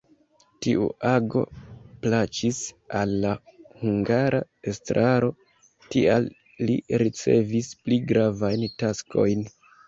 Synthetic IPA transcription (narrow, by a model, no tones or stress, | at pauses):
tiṵʔaɡo̞̰plat͡ʃis | alːahuŋɡaɾʔa | estɾʔaɾo̞ | tialː | ḭɾit͡se̞vispliɡɾavajntaskʰo̞̰jn